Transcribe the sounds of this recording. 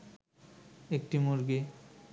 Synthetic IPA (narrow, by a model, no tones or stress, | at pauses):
ek̚ʈimoɾɡe